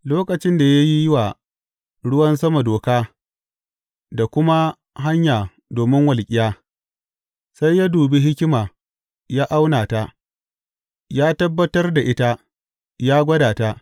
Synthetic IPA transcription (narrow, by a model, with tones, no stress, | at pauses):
loː˦kʼɐ˨t͡ʃɪ˦nda˨ja˦ji˦jɪ˦wa˨ | ɽʊ˦wɐ˦nsɐ˦ma˨doː˨kaː˦ | da˨kʷʊ˦ma˦ | ɦa˦ɲjaː˨ | doː˨mɪ˦ŋwɐ˨lkʲʼɪ˨jaː˦ | sa˦jːa˦duː˨bi˦ɦɪ˦kʲɪ˦maː˨ | jaː˦ʔa˦wnaː˨ta˦ | jaː˦tɐ˦bːɐ˦tɐ˦rda˨ʔɪ˦ta˦ | jaː˦ɡʷɐ˦daː˨ta˦ʔ